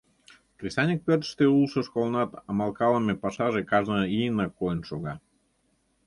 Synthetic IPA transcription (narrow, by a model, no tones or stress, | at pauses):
krʲisɑnʲək̚pʲørt̪ʃt̪eulˠʃə̆ʃkolˠnɑt̪ɑmɑlˠkɑlˠəmepɑʃɑʒekɑʒnəijənəkojənʃoɣɑ